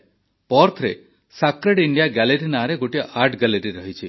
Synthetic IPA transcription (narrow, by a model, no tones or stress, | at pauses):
pɔɾt̪ʰɾḛ | sakɾeɖiɳɖijaɡɛleɾinaɾeɡoʈijɔʔaɾʈɡɛleɾiɾɔɦit͡ʃʰi